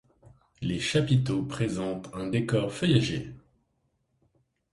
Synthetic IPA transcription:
leʃapit̪opχezɑ̃t̪ɛ̃d̪ekɔʁfœjaʒe

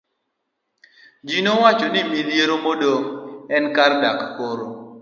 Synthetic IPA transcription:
d͡ʒinowat͡ʃɔnimiljeɾomodoŋɛnkardakːoɾo

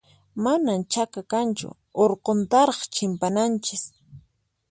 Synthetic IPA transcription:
manamt͡ʃakakant͡ʃʊ̰ | oɾqont̪ɑɾɑχt͡ʃɪmpanant͡ʃɪs

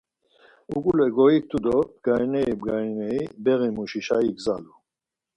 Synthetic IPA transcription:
uɡulɛɡɔik̚t̪ʰud̪ɔbɡ̥ajnɛibɡajnɛibɛʁimuʃiʃaiɡzalu

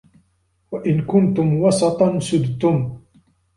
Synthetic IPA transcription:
waʔɪnkʊnt̪ʊmwɑsˤɑt̪ˤɑnsʊd̪t̪ʊm

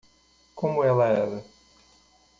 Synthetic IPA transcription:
kõmʊɛlɐɛɾɐ

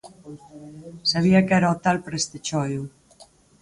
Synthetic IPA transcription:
saβiakɛɾaot̪alpɾest̪et͡ʃɔju

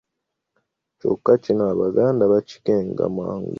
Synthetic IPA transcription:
t͡ʃo̰kːacinoaβaɡaːndaβaci̥keːŋɡa̰ma̰ːŋɡ

